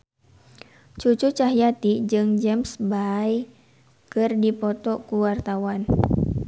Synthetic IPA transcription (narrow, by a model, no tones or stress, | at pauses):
t͡ʃut͡ʃut͡ʃaɦijat̪id͡ʒɨŋd͡ʒɛmsbai | kɨrdipɔt̪ɔkuwart̪awan